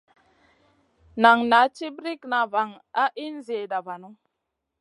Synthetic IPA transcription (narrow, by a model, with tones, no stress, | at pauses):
na˨ŋna˨˦t͡ʃi˦bɾi˦kna˨va˨ŋa˦ʔi˦n˦zi˨e˨da˨va˨nu˦ŋ